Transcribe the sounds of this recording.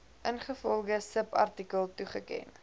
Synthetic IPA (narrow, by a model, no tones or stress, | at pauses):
ʔənχəfɔlˠχəsəpɐ̰rtikəlˠtuχəkɛ̰n